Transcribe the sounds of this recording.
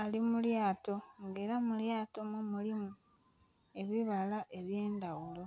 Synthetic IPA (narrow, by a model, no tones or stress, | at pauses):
alimuljaːto̞ŋɡe̞ːɾamuljaːto̞mumulimu | e̞βiβalaʔe̞βje̞ːndawulo̞